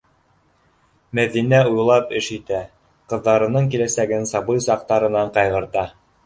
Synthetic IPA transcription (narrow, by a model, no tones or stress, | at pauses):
mæðinæujlˠɑpɘ̆ʃit̪æ | qɤ̆ðːɑɾɤ̆nɤɴkilæsæɡɘnsɑbɤjsɑq̚t̪ɑɾɤ̆nɑɴqɑjʁɤ̆ɾt̪ɑ